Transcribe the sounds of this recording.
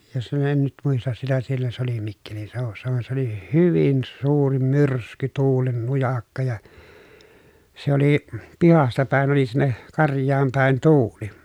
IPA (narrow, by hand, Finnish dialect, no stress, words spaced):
jɑ se en nyt muistɑs sitæ sielːæ se oli mikːelinseˑoʋusːɑ ʋɑen se oli hyʋin suːri myrsky tuːlen nujɑkːɑ jɑ se oli pihɑstɑ pæˑen oli sinːe kɑrjˑɑːm pæˑen tuːli